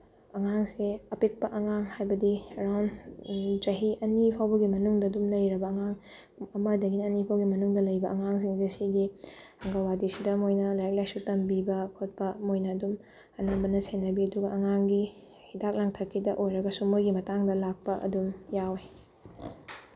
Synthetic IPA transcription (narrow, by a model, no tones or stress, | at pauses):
ɐŋaŋseɐpek̚pɐʔɐŋaŋhajbɐdiɾawn | d͡ʒɐɦiʔɐnipʰawbɐɡimɐnuŋdɐdumlɐjɾɐbɐːŋaŋ | ɐmɐdɐɡinɐnipʰawɡimɐnuŋdɐlɐjbɐʔɐŋaŋs̬iŋzesiɡiɐŋɡɐwadisidɐmojnɐlajak̚lajsutɐmbibɐkʰot̚pɐmojnɐːdum | ɐnabɐnɐsenːɐbiɐduɡɐʔɐŋaŋɡi | hidak̚laŋtʰɐkʰːidɐʔojɾɐɡɐsumojɡimɐtaŋdɐlak̚pɐʔɐ̰dumjawe